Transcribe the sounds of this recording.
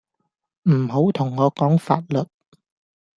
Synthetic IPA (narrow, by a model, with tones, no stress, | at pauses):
m̩ː˨˩ho˨˥wt̪ʰʊ˨˩ŋːɔː˨˧kɔː˨˥ŋfa̰ː˧t̚lɵ˨t̚